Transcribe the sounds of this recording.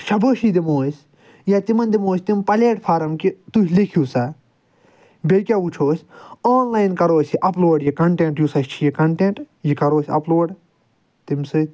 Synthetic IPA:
ʃɐbʱɐːʃid̪imoːsʲ | jat̪imɐnd̪imoːsʲt̪impɐleːʈpʰaːɾɐmkit̪uɦʲlikʰuːsa | bekʲaːut͡ʃʰoːsʲaːnlaːjnkɐɾoːsiʔɐploːɖjikɐɳʈeɳʈjusɐst͡ʃʰijikɐɳʈeɳʈ | jikɐɾoːsʲɐ̰ploːɖ | t̪imsɨ

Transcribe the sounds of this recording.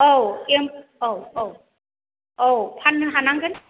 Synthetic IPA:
owemowow | owpʰanːɯɦanaŋɡɯn

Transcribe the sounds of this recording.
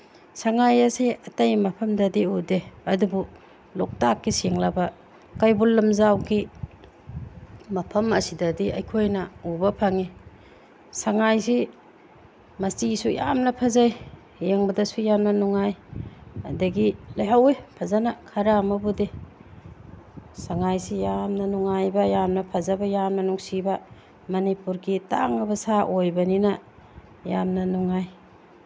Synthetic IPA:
saŋajasiɐtajmɐpʰɐmdɐdiudeɐdubu | lɔk̚takːisiŋlabɐ | kajbulːɐmzawɡi | mɐpʰɐmɐsidɐdiɐ̰jkʰojnɐubɐpʰaŋi | saŋajsi | mɐstisuja̰mnɐpʰazaj | jeŋbɐdɐsujamnɐnuŋaj | ɐ̰dɐɡilajɦawejpʰazanakʰɐɾamɐbude | saŋajsijamnɐnuŋajbɐjamnɐpʰazabɐjanmɐnuŋsibɐ | mɐnipuɾɡita̰ŋɐbɐsaʔojbɐninɐ | jamnɐnuŋaj

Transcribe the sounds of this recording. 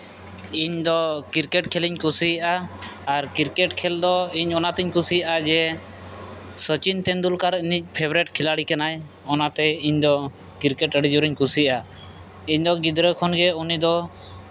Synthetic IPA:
iɲd̪ɔkiɾkɛʈkʰɛliɲkusijaʔaaɾkiɾkɛʈkʰɛld̪ɔiɲɔnat̪iɲkusijaʔad͡ʒɛ | sət͡ʃint̪ɛnd̪ulkaɾinic̚ˀpʰɛbɾɛʈkʰilaɽikanaj | ɔnat̪ɛiɲd̪ɔ | kiɾkɛʈəɖid͡ʒuɾiɲkusijaʔa | iɲd̪ɔɡid̪ɾəkʰɔnɡɛunid̪ɔ

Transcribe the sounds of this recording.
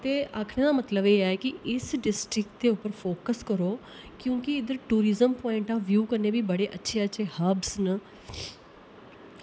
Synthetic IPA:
t̪eːʔaːkʰɽ̃ẽːd̪aːmət̪ləbeːɛːkiʔɪsɖɪsʈɾɪk̚ʈd̪eːʊpːəɾfʰoːkəskəɾoː | kjõːkiɪd̪əɾʈuːɾɪzəmpɔːɪɳʈaːʋjuːkəɾneːbiːbəɽeːʔətːʃʰeːəːʃʰeːhəbsnə

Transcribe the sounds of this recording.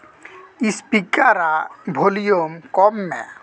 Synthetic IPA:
ispikaɾabʱolijomkɔmːɛ̰

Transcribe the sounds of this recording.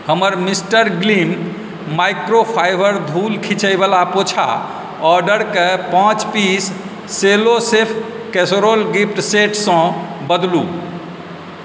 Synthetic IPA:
həməɾmisʈəɾɡlim | majkɾopʰajbəɾd̪ʱulkʰĩt͡ʃəjbəlapot͡ʃʰa̰ | ɔɖəɾkepãt͡ʃpisː | elosepʰ | kesɾolɡipʰʈseʈʰsə̃bəd̪lu

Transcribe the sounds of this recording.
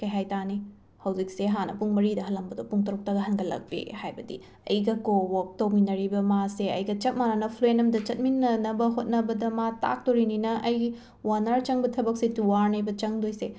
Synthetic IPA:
kɐjɦajtani | hɐwzik̚seɦanɐ̰puŋmɐɾidɐɦɐlːɐmbɐdopuŋtɐɾuk̚tɐɡɐɦɐnɡɐlɐ̰k̚pḭhajbɐdḭ | ɐ̰jɡɐkowok̚tɐwminɐɾibɐmaseɐ̰jɡɐt͡ʃɐt̚mananɐpʰlenɐmdɐt͡ʃɐt̚minːɐnɐbɐɦot̚nɐbɐdɐmata̰k̚toɾininɐʔɐj | wanaɾt͡ʃɐŋbɐtʰɐbɐk̚setuwaɾnebɐt͡ʃɐŋdojse

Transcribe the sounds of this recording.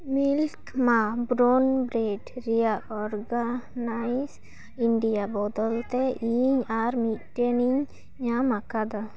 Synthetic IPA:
milkmabɾɔnbɾeʈɾijaɔɾɡanajs | iɳɖijabɔd̪ɔlt̪ɛʔiɲaɾmit̪̚ʈeniɲ | amakad̪a

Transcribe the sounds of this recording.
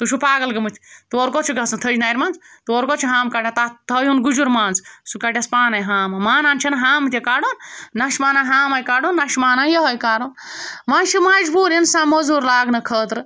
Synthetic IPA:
t̪uʃʰupaːɡɐlɡɐmɨt̪ʲʰt̪uoɾkot͡ʃʰiɡɐsɐnt̪ʰɐd͡ʒinaːjɾʲmaːnzt̪uoɾkot͡ʃʰiɦaːmkaːʈʲãt̪at̪ʰəjunɡud͡ʒuɾmãːnzsukaʈʲjɐspaːnɐjɦaːmɐmaːnaːnt͡ʃʰinɐɦaːmɨt̪ʲjɐkaːɽoːnːɐʃmaːnaɦaːmɐjkaːɽonːɐʃmaːnajɐɦɐjkaːɾoːnʋãnt͡ʃʰimɐd͡ʒbuːɾinsãːnmɐzuːɾlaːɡnɐkʰəːt̪ɾ

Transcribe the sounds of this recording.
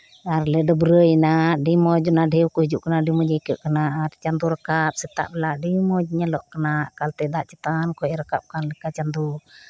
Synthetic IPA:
aɾlɛdɔbɾəjnaʔɖimɔd͡ʒɔnaɖɛwkɔhid͡ʒuʔkənaɖimɔd͡ʒɛjkəʔkənaʔaɾt͡ʃand̪uɾəkat̪̚sɛt̪a̰ʔbɛlaʔɖimɔd͡ʒɲalɔʔkənaʔkalt̪ɛd̪aʔt͡ʃɛt̪ankɔɾəkap̚kanlɛkat͡ʃand̪u

